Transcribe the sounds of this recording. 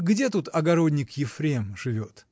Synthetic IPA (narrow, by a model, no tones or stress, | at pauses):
ɡdʲet̪ut̪ɐɡɐɾo̞d̪ʲnʲɪkjɪfɾʲemʐɨvʲo̞t̪